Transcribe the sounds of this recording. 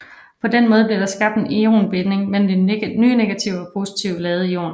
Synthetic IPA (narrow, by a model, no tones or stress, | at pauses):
pʰɒ̽d̥enmɔ̽ːð̞̩ˠbliɐɾ̥ɑ̈sɡ̥ɑ̈b̥̚d̥enio̝̰ːnb̥e̝ne̝ŋmel̰m̩n̩d̥enyːne̝ɡ̥æt͡sʰiʊɒpʰo̝ːsit͡sʰiʊlɛːð̞̩ˠio̝̰ːn